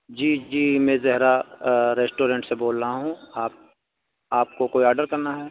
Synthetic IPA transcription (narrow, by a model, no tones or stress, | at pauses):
d͡ʒiːd͡ʒiːmẽːzɛɦɾaɾeːsʈoːɾẽːɳʈseboːlːaɦũaːp̚ | aːp̚kokoːiaːɾɖəɾkɐɾnaɦɛː